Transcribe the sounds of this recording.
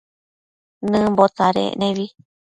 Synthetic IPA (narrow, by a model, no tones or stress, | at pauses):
nɨ̃mbot͡saɾḛʔnẽβi